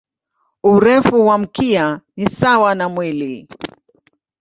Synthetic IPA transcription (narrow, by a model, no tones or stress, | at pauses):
uɾɛfuwam̩kianisawanamwili